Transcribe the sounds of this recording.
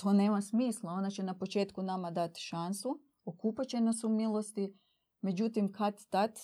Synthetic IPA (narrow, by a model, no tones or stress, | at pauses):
t̪ʰoːne̞ːmasmiːslˠao̞nat͡ɕe̞napo̞t͡ʃe̞ːt̪kunamad̪at̪ʃansu | okuːpat͡ɕe̞nasumilˠo̞st̪i | me̞d͡ʑut̪imkat̪t̪at̪